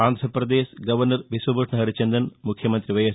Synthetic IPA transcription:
aːnd̪ʱɾɐprɐd̪eːsɡɐʋɐrnɐrʋisʋɐbuʈʰɳɐɦɐɾit͡ɕɐnd̪ɐnmukʰjɐmɐnd̪riʋɐjɐs

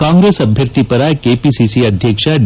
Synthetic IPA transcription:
kãːŋɡɾeːsɐbʱjəɾt̪ipɐɾakeːpisisiɐd̪ʱjəkʂaɖ

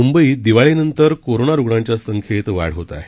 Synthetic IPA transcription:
umbəiːd̪iʋaɭinənt̪əɾkoɾonaɾuɡɽɳãɲt͡ɕjasəŋkʰet̪ʋa̰ɽɦot̪a̰

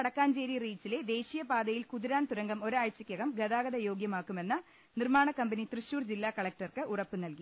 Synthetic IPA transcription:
ɽɐkːaːnt͡ɕe̞ːɾiriːt͡ɕːile̞d̪e̞ːɕijɐpaːd̪ɐjilkuðiɾaːnt̪uɾɐŋɡɐmo̞ɾajsɐkʲːjɐɣɐmɡɐðaːɡɐðɐjo̞ːɡjɐmaːkːume̞nːɐ | nirmaːɳɐkːɐmbɐnit̪rɨɕuːrd͡ʑilːaːkɐɭɐk̚ʈɐrkɨʔurɐpːɨnɐlki

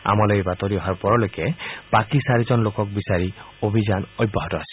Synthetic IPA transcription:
a̰malɔjbat̪ɔɾiɔɦaɹpɔɹɔlojkɛb̥akisaɾid͡ʒɔnlokɔk̚bisaɾi | obʱizanɔjbːaɦɔtɔasi̥

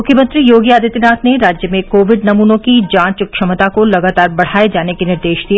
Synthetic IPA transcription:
mʊkʰjəmɐ̃nt̪ɾijoːɡiaːd̪ʱit̪ɪnaːt̪neɾaːd͡ʒjəmẽkoːʋɪɖnɐmuːnõkid͡ʒãːt͡ʃʊkʃɐmət̪akolɐɡaːt̪aːɾbɐɽ̤aːed͡ʒaːnekenɪɾd̪eːʃd̪ie

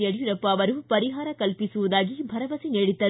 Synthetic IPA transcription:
jɐɽiɾɐpːɐːʋɐɾupɐɾiɦaːɾɐkɐlpisuʋud̪aːɡibʱɐɾɐʋɐsineːɽit̪ːɐ

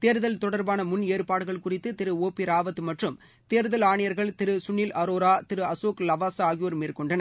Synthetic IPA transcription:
t̪eːɾðɐlt̪ɔɽɐɾbaːnɐmʊneːɾpaːɽɯɣɐɭkʊrɪt̪ːɯt̪ɪɾɯoːpiɾaːʋɐt̪ːɯmɐʈrɯm | t̪eːɾðɐlaːɳɪjɐɾɣɐɭt̪ɪɾɯsʊnːilɐɾoːɾaːt̪ɪɾɯɐsoːklɐʋaːsaːɣjoːɾmiːrkɔɳɖɐnɐ

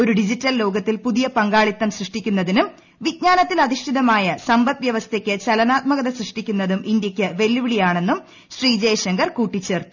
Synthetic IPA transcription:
o̞ɾuɖid͡ʑitːɐllo̞ːɡɐt̪ːilpuðijɐpɐŋɡaːɭit̪ːɐmsrɨʂʈikʲːunːɐðinum | ʋiɡ̚ɲaːnɐt̪ːilɐðiʂʈʰiðɐmaːjɐsɐmbɐt̪ʋjɐʋɐst̪ʰekʲːɨt͡ɕɐlɐnaːt̪̚mɐɣɐðɐsrɨʂʈikʲːunːɐðumʔind̪jɐkʲːɨʋe̞lːuʋiɽijaːɳe̞nːum | ɕriːd͡ʑeːʂɐŋɡɐrkuːʈːit͡ɕːe̞ːrt̪u̥

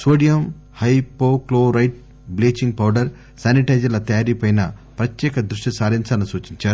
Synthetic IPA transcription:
soːɖijɐm | hɐjpoːkloːɾɐjʈ̚ | bleːt͡ʃiŋɡ̚pɐwɖɐɾ | saːniʈɐjd͡ʒɐlɐt̪ɐjaːɾipɐjnɐpɾɐt̪jɛːkɐd̪ɾuʂʈisaːɾiɲt͡ʃɐnɐsuːt͡ʃiɲt͡ʃaːɾu

